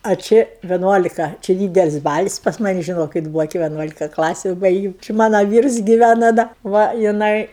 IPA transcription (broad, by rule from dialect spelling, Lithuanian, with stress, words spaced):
ɐ t͡ʃʲɪ ʋʲɪˈnuɔlʲɪkɐ t͡ʃʲɪ ˈdʲiːdʲɛlʲɪsʲ ˈbɑːlʲɪs pɐs ˈmɑːnʲɪ ʒʲɪˈnoːkʲɪt ˈbuːʋoː kʲɪ ʋʲiɛˈnuɔlʲɪkɐ ˈklˠɑːsʲʊ ˈbɐɪɡʲeːm t͡ʃʲɪ ˈmɑːnɐ ˈʋʲiːrs ɡʲɪˈʋʲænɐ ˈdɐ ˈʋɐ jɪˈnɐɪ